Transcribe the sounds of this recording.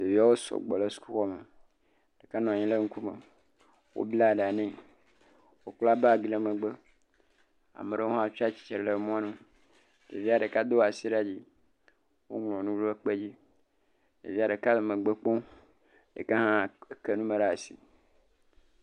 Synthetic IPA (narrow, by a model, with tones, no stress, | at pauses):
de˨vi˦a˦wo˦sɔ̰˨ɡ͡bɔ˨le˦su̥˦ku˦xɔ˦me˨ | ɖe˨ka˦nɔ̃˨a˨ɲĩ˦le˦ŋ̩˦ku˦mḛ˨ | wo̰˦bla˦˨ɖe˨a˨nẽ˦ | wo˦k͡pla˦ba˦˨ɡi˨le˦mẽ˨ɡ͡be˦ | a̰˨me˨ɖe˦o˦ɔ̃˦a˨fi˦a˦t͡ɕi̥˨t͡ʃe˨ɾe˨le˨mɔ̃˦ã˦nũ˦ | de˨vi˦a˨ɖe˨ka˦d̪o˦wa˨si˦ɖa˦d͡ʑi˦ | wo̰˦ŋlɔ̃˨nũ˦lo˦e˦k͡pe˦d͡ʑi˦ | dḛ˨vi˦a˨ɖe˨ka˦le˨mẽ˨ɡ͡be˦k͡pɔ̃˦ | jḛ˨ke˦ɦã˦˨ke˦nũ˦me˨ɖa˦˨a˨sḭ˦